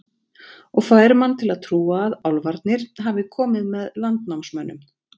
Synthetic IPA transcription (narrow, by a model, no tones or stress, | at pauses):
ɔɣkfvaɛɾmanːt̪ʰɪlaðt̪ʰɾuːaːðawlvaɾt̪nɪɾ̥ɦavɪkʰɔːmɪðmɛðlant̪nawmsmœnːʏm